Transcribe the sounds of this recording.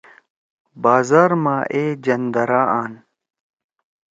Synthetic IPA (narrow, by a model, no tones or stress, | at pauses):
baːzaːɾmaːʔeːd͡ʑɐnd̪ɐɾaːʔaːn